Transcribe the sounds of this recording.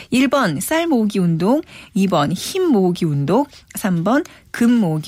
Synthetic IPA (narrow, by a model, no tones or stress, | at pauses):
iɭbʌns͈aɭmoɡiundoŋibʌnçimːoɡiundoŋsʰambʌnkɯmːoɡi